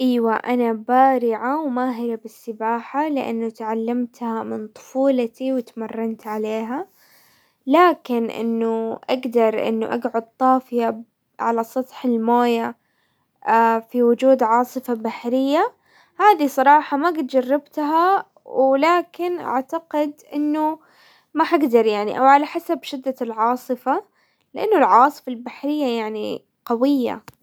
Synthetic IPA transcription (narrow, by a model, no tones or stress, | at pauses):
ʔaːwaʔanabaːɾɪʕawmaːɦɪɾabɪsːɪbaːħalɪʔa̰nːʊt̪ʕalːamt̪hamɪnt̪ˤʊ̥fuːlat̪iwɪt̪mɑrˤːɑnt̪ʕaleːɦa | laːkɪnʔɪ̰nːʊʔaɡd̪ɑɾˤʔɪ̰nːʊ̰ʔaɡʕʊd̪̚t̪ˤːɑːfɪja | ʕa̰lasˤɑt̪ˤħɪlmoːja | afiwʊd͡ʒuːd̪ʕɑːsˤɨfabaħɾɪjːa | haːðisˤɑɾˤɑːħɑmaɡɪt̪d͡ʒɑrːɪbt̪ɦa | wlaːkɪnʔa̰ʕt̪aqɪd̪ʔɪnːʊ | mahaɡd̪ɑɾˤjaʕnḭʔa̰wʕalaħasabʃɪd̪ːalʕɑːsˤɨfa | lɪʔanːʊlʕawɑːsˤɨ̥falbaħɾɪjːajaʕnḭ | qɑwɪjːa̰